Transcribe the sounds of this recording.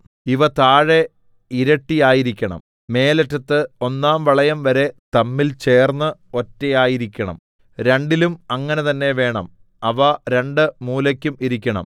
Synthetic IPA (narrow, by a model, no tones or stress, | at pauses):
iʋɐt̪aːɻe̞ | iɾɐʈːijaːjiɾikʲːɐɳɐ̰m | me̞ːletːɐt̪ːɨo̞nːaːmʋɐɭɐjɐmʋɐɾe̞t̪ɐmːilt͡ɕe̞ːrnːɨo̞tːejaːjiɾikʲːɐɳɐ̰m | ɾe̞ɳɖilumɐŋːɐne̞t̪ɐnːe̞ʋe̞ːɳɐm | ɐʋɐɾe̞ɳɖɨmuːlɐkʲːumiɾikʲːɐɳɐ̰m